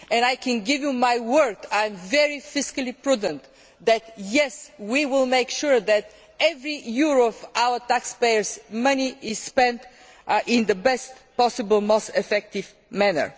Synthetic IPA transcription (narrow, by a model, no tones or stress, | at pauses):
ɛ̃najkɛ̃nɡɪvjumajwɜ˞dãj̃mvɛɹifɪskəlˠipɹud̪ə̃nt̪ | ðæt̪jɛswiwɪlˠmeɪkʃʊɹðæt̪ | ɛvɹijuɹɔvaʊət̪ækspeɪəɹzmʌniʔɪz̥spɛ̃nt̪ | ʔɪ̃nd̪əbɛstpɔsɨbəlˠmoʊstɛfɛk̚t̪ɪv | mænə̰˞